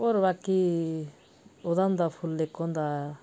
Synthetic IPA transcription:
ɔɾβaki | od̪and̪apʰulːekːɔnd̪a

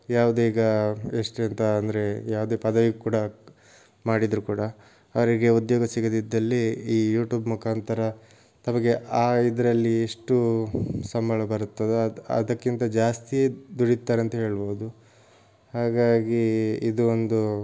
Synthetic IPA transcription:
jaːʋud̪eiːɡɐeʂʈent̪ɐɐnd̪ɐɾe̞jaːʋud̪eːpɐd̪ɐʋiɡkuːɽɐ | maːɽid̪ɾukuːɽɐː | ʋɐɾiɡe̞ud̪joːɡɐsiɡɐd̪id̪ːɐlːiiːjuːʈjuːbmukʰaːnt̪ɐɾɐ | t̪ɐmɐɡe̞ʔaːid̪ɐɾɐlːieʂʈusɐmbɐɭɐbɐɾut̪ːɐd̪eɐ̰d̪ɐkːint̪ɐd͡ʒaːst̪ijed̪uɽit̪ːaːɾeɐnt̪ɐɦe̞ːɭboːd̪u | haːɡaːɡiid̪uond̪u

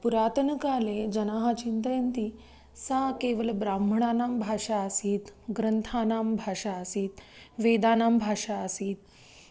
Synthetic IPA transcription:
puɾaːt̪ənkaːled͡ʑənaːɦat͡ɕint̪əjənt̪i | sakeʋəlbɾambəɳaːnaːmbʱaːʂaəsiːt̪ɡɾənt̪ʰaːnaːmbʱaːʂaəsiːt̪ | ʋed̪aːnaːmbʱaːʂaəsiːt̪̚

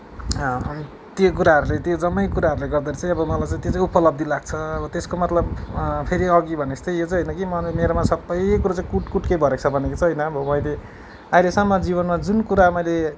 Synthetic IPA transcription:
t̪jok̬uɾaɦʌɾulet̪jod͡zʌmːʌjkuɾaɦʌɾuleɡʌrd̪ʌɾit͡saĩʌbʌmʌlajt͡sãĩt̪jot͡saĩupʌlʌb̚d̪ilaɡ̚t͡sʰʌʌbʌt̪eskomʌt̪lʌbpʰeɾiʌɡibʱʌnest̪ʌjjot͡sʌɦʌjnʌkimʌmeɾomasʌbːʌjkuɾat͡saĩkuʈkuʈkejbʱʌɾekt͡sʰʌbʱʌnekot͡sʰʌɦʌjnʌːbʌmʌjle | ajlesamːʌd͡ziβʌnmad͡zunkuɾamʌjle

